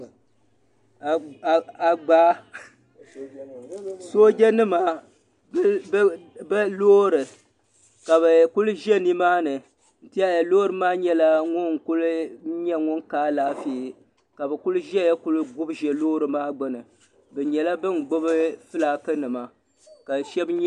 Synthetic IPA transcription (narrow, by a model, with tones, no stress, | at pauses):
a˨ɡ͡baː˦ | so˦d͡ʒʲɛ˦nɨ˦ma˨˦ | bɛ˦loː˦ɾɨ˨ | ka˨βɨ˨ku˦lʒɛ˦ni˦maː˦nɨ˨ | n̩˦ti˦a˦ja˨loː˦ɾɨ˨maː˦ɲɛ˦la˦ŋʊ˦n˨kʊ˦lɲɛ˦ŋʊ˦nkaː˦laː˦fi˦˨ | ka˨bɨ˨kʊ˦lʒɛ˦ja˦ku˦lɡʊ˦bʒɛ˨loː˦ɾɨ˨maː˦ɡ͡bʊ˦nɨ˨ | bɨ˨ɲɛ˨la˦bɨ˦n˨ɡ͡bʊ˦bɨ˦fɨ˦la˨kɨ˦nɨ˨ma˨ | ka˨ʃɛ˦b